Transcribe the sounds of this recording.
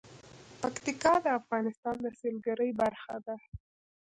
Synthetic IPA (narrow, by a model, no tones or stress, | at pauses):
pakt̪ɪkɑd̪əafɣɑnɪst̪ɑnd̪əselɡaɾəjbaɾxad̪a